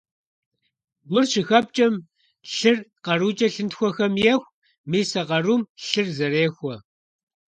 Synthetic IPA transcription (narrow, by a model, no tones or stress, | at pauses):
ɡʷʊrʃɪxɐp̚t͡ʃʼɐm | ɬɨrqɐruːt͡ʃʼɐɬɨntxʷɔxɐmjɛxʷ | miːsɐqɐruːmɬɨrzɐreːxʷɔ